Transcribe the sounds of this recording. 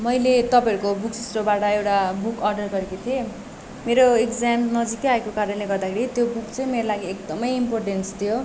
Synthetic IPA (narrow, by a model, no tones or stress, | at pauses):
mʌjlet̪ʌpãʌɾukobuk̚sisrobaʈʌewʈabukʌrɖʌrɡʌɾekot̪ʰie | meɾoekd͡zamnʌd͡zikeaekokaɾʌnleɡʌrd̪akʰeɾit̪jobukt͡sʌĩmeɾolaɡiekd̪ʌmʌjimporʈenst̪ʰijo